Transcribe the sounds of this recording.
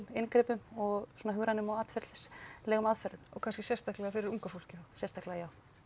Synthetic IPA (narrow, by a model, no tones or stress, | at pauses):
mɪnkɾɛːpʏmɔɣsɔnaɦʏɣɾanʏmawat̪fɛɾt̪lslɛːɣʏmaðfœɾðʏɔɣkʰanscɪsjɛst̪aklɛɣafɪɾɪɾuŋkafol̥cɪasjɛst̪ahklɛɣajaːw